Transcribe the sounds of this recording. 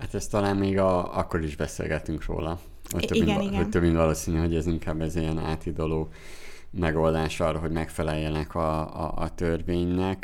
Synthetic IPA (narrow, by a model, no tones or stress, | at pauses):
hat̪ɛst̪ɒlaːmmeːɡɒɒkːo̞ɾiʒbɛsḛːlɡɛt̪yŋkro̰ːlɒ | ot̪øinoct̪øbːint̪vɒloːsiːnyɦo̞ɟɛziŋkaːbːɛzijɛna̰ːt̪id̪o̞loː | mɛɡo̞ld̪aːʃɒrːɒɦo̞ɟmɛkfɛlɛjːɛnɛkʰɒ̰ːt̪ørveːɲnɛk